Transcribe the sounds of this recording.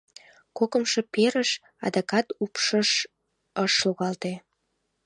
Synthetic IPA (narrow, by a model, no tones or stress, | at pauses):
kokə̆mʃe̽peɾəʃ | ɑ̰d̪ɑkɑt̪upʃəʃ | əʃluɣɑlt̪e